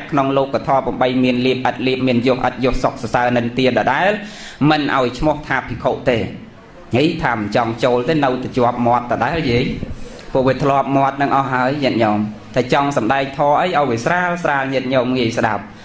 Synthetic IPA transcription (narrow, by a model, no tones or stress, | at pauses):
ʔkʰnoŋloːkːat̪ʰɑːpuəmɓəjmiənliəp̚ʔət̪̚liəp̚miənjʊəhʔət̪̚jʊ̆əhsok̚sɑsaənɨŋt̪iəɗɑːɗaɛlmɨnʔa̰ɔjt͡ɕʰmoht̪ʰaːpʰikʰoːʔt̪eː | ŋijt̪ʰaːmɨnt͡ɕɑŋt͡ɕoːlt̪eːnɨwt̪at͡ɕoəp̚mŏət̪ːɑɗaɛljiəŋ | puːəʋiət̪ʰlŏəp̚mŏət̪̚nɨŋʔɑhɦaəjɲɨt̪̚ɲoːmt̪ʰaːt͡ɕɑŋsɑmɗaɛk̚t̪ʰɑːʔəjʔaɔjʋiəsraːlsraːlɲɨt̪̚ɲoːmŋiəjsɗa̰p̚